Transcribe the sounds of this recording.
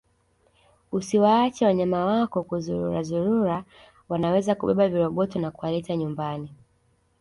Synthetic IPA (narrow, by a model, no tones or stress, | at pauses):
usiwaːt͡ʃɛwaɲamawakɔkuzuɾṵɾazuɾuɾa | wanawɛzakuɓɛɓaviɾɔɓɔtɔnakuwalɛtaɲumbani